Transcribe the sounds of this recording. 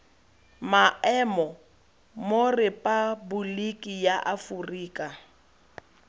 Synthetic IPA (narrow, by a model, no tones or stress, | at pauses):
maɛmɔ | morɪpʼabʊlikʼijaʔafʊriːkʼa